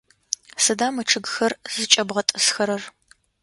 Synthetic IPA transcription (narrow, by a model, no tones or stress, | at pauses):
sɨdaːmɨʈ͡ʂʰɨɡxɐrz̥ɨt͡ʃʼɐbʁɐtʼɨsxɐɾɐr